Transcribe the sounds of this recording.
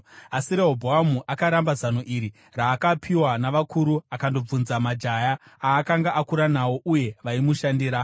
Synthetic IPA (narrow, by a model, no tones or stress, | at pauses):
asiɾeɦobʱoamuʔakaɾambazanoʔiɾi | raːkapʰiwanaʋakuɾuakando̞b͡vunzamad͡ʒajaaːkaŋɡaʔakuɾanawo̞ʔuje̞ʋaimuʃandiːɾa